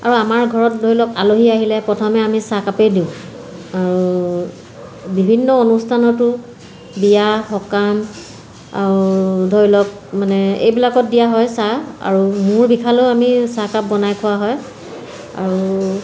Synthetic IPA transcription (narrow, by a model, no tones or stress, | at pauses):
a̰ɹuamaɹɡʱɔɹɔt̚dʱojlɔkaloɦiaɦilɛpɹɔtʰɔmɛamisakapejdiʊ̃ | aɹu | bibʱinːɔonustʰanɔtʊ | bijaxɔkam | a̰ɹudʱɔjlɔk̚manɛḛjbilakɔt̚dijaɦɔjsaa̰ɹumʊɹbikʰaloʊamisakap̚bɔnajkʰʊwaɦɔj | a̰ɹu